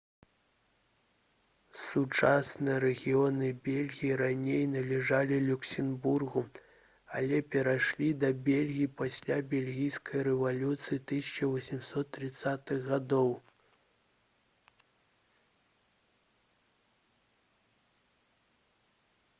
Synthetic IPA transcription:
sut͡ʂasnɨjɐɾɛɣʲiɔnɨbʲelʲɣʲijiɾanʲejnɐlʲɛʐalʲilʲuksʲɛnburɣu | alʲɛpʲɛɾaʂlʲid̪ɐbʲelʲɣʲijipasʲlʲabʲelʲɣʲijskʰɐjɾɛvalʲut̪sɨjit̪ɨsʲɐ̥t͡ʂɐvɔsʲimsɔt̪ːɾɨt̪sːat̪ɨɣɣad̪ɔw

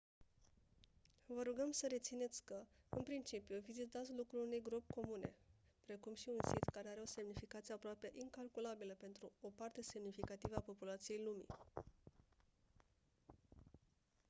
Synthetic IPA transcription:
vəɾuɡəmsəɾe̞t̪sine̞t̪sʲkəɨnpɾint͡ʃipiuvizit̪at̪sʲlukɾulune̞jɡɾopʲko̞mune̞̰ | pɾe̞kumʃiunsit̪kaɾe̞aɾeo̞se̞mnifikat̪sieapɾoapeəʔiŋkalkulabiləpe̞nt̪ɾuopart̪e̞se̞mnifikat̪ivəapo̞pulat̪sije̞jlumḭ

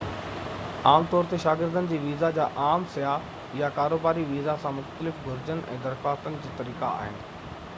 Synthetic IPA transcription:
aːmt̪ɔːɾt̪eʃaːɡɪɾd̪ənɪ̆d͡ʑiːʋiːzad͡ʑaːʔaːmsɐjaː | jakaːɾoːbaːɾiʋiːzasãmʊxt̪əlɪfɡʱʊɾɪd͡ʑənʔɛ̰̃ːd̪ɐɾkaːt̪ənɪ̆d͡ʑiːt̪ɐɾiːka̰a̰ːɦɪnɪ̆

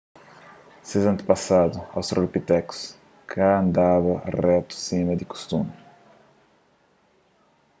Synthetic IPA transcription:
sezɐ̃nt̪ɪ̥pasad̪ʊa̰wsroɾpit̪ɛku̥s | kʰaɐ̃nd̪avɐrɛt̪u̥simɐd̪ɪku̥st̪umɪ

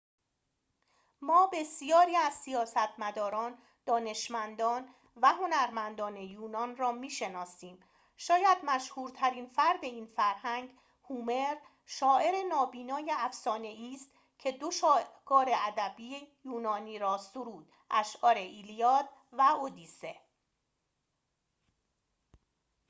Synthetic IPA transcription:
mɒːbe̞sijɒːɾiːæz̥sijɒːsæt̪ʰmæd̪ɒːɾɒːn | d̪̥ɒːne̞ʃmænd̪ɒːn | væɦo̞næɾmænd̪ɒːne̞juːnɒːnrɒːmiːʃe̞nɒːsiːm | ʃɒːjæd̪mæʃhuːɾt̪ʰæɾiːnfæɾd̪e̞iːnfæɾhæŋɡ | huːme̞ɾ | ʃɒːʔe̞ɾe̞nɒːbiːnɒːje̞æfsɒːne̞iːst̪ | cʰe̞d̪oʃɒːɡɒːɾe̞æd̪æbiːejuːnɒːniːɾɒːsoɾuːd̪̥ | ʔæʃʔɒːɾe̞ʔiːlijɒːt̪̚væod̪ise̞

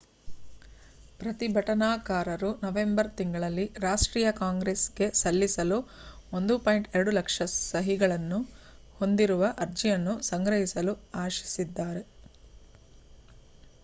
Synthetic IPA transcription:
pɾɐt̪ibʱɐʈɐnaːkaːɾɐɾunɐʋe̞mbɐɾt̪iŋɡɐɭɐlːiɾaːʂʈɾiːjɐkaːŋɡɾeːsɡe̞sɐlːisɐluo̞nd̪upaːjɳʈeɾɐɽulɐkʂɐsɐɦiɡɐɭɐnːu | ho̞nd̪iɾuʋɐʔɐɾd͡ʒijɐnːusɐŋɡɾɐɦisɐluaːʃi̥sid̪ːaːɾe̞

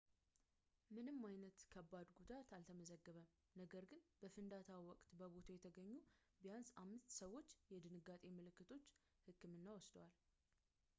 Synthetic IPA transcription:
mɨnɨmːajnət̪kʰəbːad̪ɡud̪at̪alt̪ʰəməzəɡːəβəm | nəɡəɾɡɨnbəfɨnd̪at̪ʰawiwɔkʼt̪bəbo̞t̪ʰojɛt̪ʰəɡəɲːu | bijansamːɨst̪səwːo̞t͡ʃːjɛd̪ɨnɨɡat̪ʼe̞mɨlɨkːɨt̪ʰo̞t͡ʃː | hɨkːɨmɨnːawɔsd̪wal

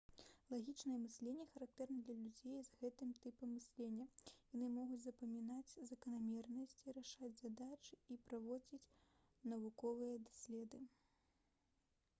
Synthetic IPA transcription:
lˠaɣʲit͡ʂnɐjɛmɨsʲlʲenʲːɛxɐɾak̚t̪ɛrnɐd̪lʲɐlʲud͡zʲejzɣɛt̪ɨmt̪ɨpɐmːɨsʲlʲenʲːɐjanɨmɔɣut͡sʲzɐpɐmʲinat͡sʲzɐkɐnamʲɛrnɐsʲt͡sʲiɾaʂad͡zʲzad̪at͡ʂɨipɾavɔd͡zʲit͡sʲ | nɐvukɔvɨjɐd̪asʲlʲɛd̪ɨ

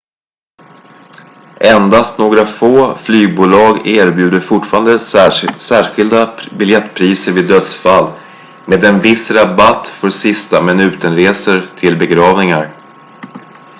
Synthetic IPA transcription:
ʔɛnd̪ast̪noːɡɾafoːflyːɡ̚buːlɑːɡeːɾbjʉ̟ːd̪əfʊʈfɑːɾand̪əsæːɧɪld̪abɪljɛt̪ːpʰɾiːsəɾvɪːd̪ːœt̪sfalː | meːd̪ɛnvɪsɾabat̪ːfœɾsɪst̪amɪnʉ̟ːt̪ənɾeːsəɾt̪ʰɪlbɛɡɾɑːvnɪŋaɾ

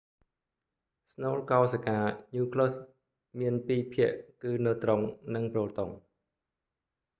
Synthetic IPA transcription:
snoːlkaɔsakaːɲuːkʰlos | miənpiːpʰiəʔkɨːnɨwt̪roŋnɨŋproːlt̪oŋ

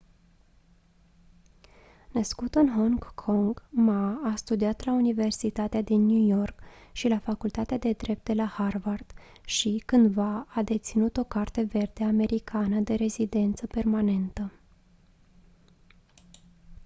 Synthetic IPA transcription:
nəskut̪ɨnɦoŋɡkʰo̞ŋɡmaːst̪ud̪iat̪launive̞rsit̪at̪ead̪inːjujo̞rkʃilafakult̪at̪ead̪e̞d̪ɾe̞p̚t̪̚d̪e̞laharvard̪̥ | ʃikɨnd̪vaːd̪e̞t̪sinut̪o̞kart̪e̞ve̞rd̪e̞ame̞ɾikʰanəd̪e̞ɾe̞zid̪e̞nt̪səpe̞rmane̞nt̪ə

